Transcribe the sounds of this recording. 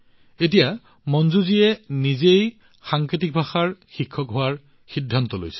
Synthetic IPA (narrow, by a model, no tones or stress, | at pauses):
et̬ija | mɔnzuziɛnizej | xaŋkɹitik̚bʱaxaɹxikʰːɔkɦʊaɹ | xidʱːantɔlo̰jsɛ̥